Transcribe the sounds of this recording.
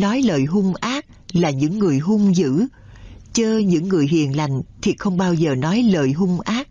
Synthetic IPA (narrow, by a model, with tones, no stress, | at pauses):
nɔ˨˦jləː˨˩jɦʊ˧ŋ͡mʔaː˦˥t̚laː˨˩ɲɨ̰˧˥ŋːɨ˨˩əjɦʊ˧ŋ͡mzɨ̰˧˥ | t͡ɕəː˧ɲɨ̰˧˥ŋːɨ˨˩əjɦḭ˧˨ənla˨˩jŋ̟t̪ʰi˨˩xə˧wŋ͡mɓaː˧wzəː˨˩nɔ˨˦jləː˨˩jɦʊ˧ŋ͡mʔaː˦˥t̚